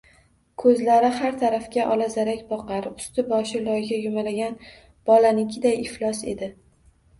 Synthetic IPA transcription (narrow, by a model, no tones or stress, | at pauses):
kʰɵzlaɾɪhaɾt̪ʰaɾafkʲaʔɒlazaɾakʲbɒqaɾʊst̪ɪbɒʃɪlɒjɡʲajʊmalaɡʲan | b̥ɒlanɪkʲʰɪd̪ajɪflˠɒse̞̰d̪ɪ